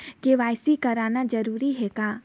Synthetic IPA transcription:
keʋaːjsikɐɾaːnad͡ʒɐɾuːɾiɦɛkaː

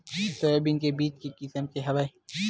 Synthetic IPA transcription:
t̪oebinkebiːt͡ʃkekɪsəmkeɦɐʋae

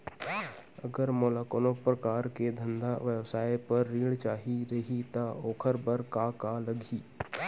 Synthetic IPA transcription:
əɡəɾmoːlaːkoːnopɾɐkaːɾked̪ʱə̃nd̪aʋjəʋsaːjpɐɾːiːɽt͡ʃaːɦiɾɐɦit̪aoːkʰəɾbəɾkakalɐɡʱiː

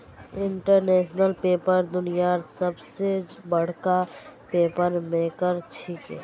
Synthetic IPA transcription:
ɪɳʈəɾnesnəlpepəɾd̪ʊnijaɾsəbsebəɽ̤kapepəɾmekəɾt͡ʃʰikɛ̰

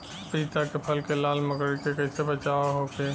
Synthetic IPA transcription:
piːt̪akepʰəlkelaːlməkəɽkekɐɪsebət͡ʃaːaɦokeː

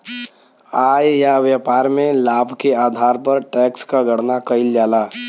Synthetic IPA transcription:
aːjjaʋjəpaːɾmẽlaːbʱkeaːd̪ʱaːɾpəɾʈɛːkskaɡʱəɽnakəɪld͡ʒaːlaː

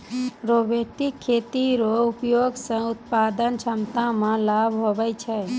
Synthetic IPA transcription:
ɾobeʈikʰːeːt̪iɾoupjoɡsə̃ʊt̪̚pad̪ənt͡ʃʰəmt̪ãmãlabʱɦobɛt͡ʃʰɛ

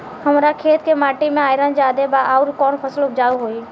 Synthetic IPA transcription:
həmɾakʰeːt̪kemaːʈimẽaːjɾə̃d͡ʒaːd̪ebaʔaːʊɾkɔːnpʰəsəlʊpʰd͡ʒaːuɦoːi

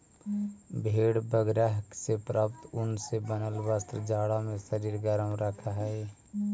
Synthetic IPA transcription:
bʱeːɽbəɡɾaɦksepɾəp̚t̪ʊnsebənəlʋəst̪ɾəd͡ʒaːɽamẽsəɾiːɾɡəɾəmɾəkʰaɦɛɪ

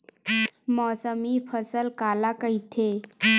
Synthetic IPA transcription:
mɔsəmifʰəsəlkalakəit̪ʰe

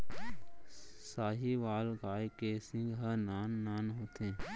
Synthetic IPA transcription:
saːɦiʋaːlɡaːjkesɪ̃ŋɡɦənaːnːaːnɦoːt̪ẽː

